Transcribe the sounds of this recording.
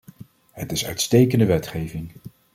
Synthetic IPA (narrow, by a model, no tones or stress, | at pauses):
ɦətɪsœ̰ɥtstejkəndəʋɛtχejvɪŋ